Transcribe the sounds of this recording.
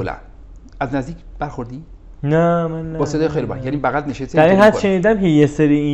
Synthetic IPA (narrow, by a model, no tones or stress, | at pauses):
olæ̰n | æznæzd̪iːcʰb̥æɾxoɾd̪i | næmænːæbɒsed̪ɔːjexejlibæ̰ɾjæniːbæɣæd̪neʃeseæɾiːnɦæt̪ʃeniːd̪æmcʰejeseɾii